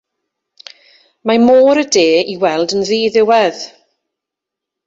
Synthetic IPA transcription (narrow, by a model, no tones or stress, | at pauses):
mamoːɾədeːiwɛlˠdənðiːðɪwɛð